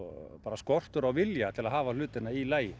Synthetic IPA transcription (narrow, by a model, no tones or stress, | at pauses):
paːɾaskɔr̥t̪ʏɾawvɪljat̪ʰɪlaðɦaːval̥ʏːt̪ɪnailaːjɪ